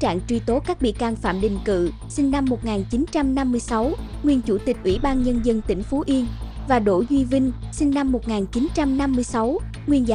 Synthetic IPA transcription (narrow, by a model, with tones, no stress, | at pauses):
t͡ɕa̰ː˧˨ŋt͡ɕwi˧t̪o˨˦kaː˦˥k̚ɓḭ˧˨əkaː˧ŋfa̰ː˧˨mɗḭ̈˨˩ŋ̟kɨ̰˧˨ | sï˧ŋ̟na˧mːo˨˩t̚ŋaː˨˩nt͡ɕi˨˦nt͡ɕa˧mna˧mːɨ˧əjsa˨˦wŋwi˧˩ənt͡ɕu˧˩t̪ï˨˩k̟̚ʔwḭ˧˩ɓaː˧nɲə˧nzə˧nt̪ï˧˩ŋ̟fo˨˦ʔi˧ən | vaː˨˩ɗo̰˧˩zwi˧vï˧ŋ̟ | sï˧ŋ̟na˧mːo˨˩t̚ŋaː˨˩nt͡ɕi˨˦nt͡ɕa˧mna˧mːɨ˧əjsa˨˦w | ŋwi˧˩ənzaː˧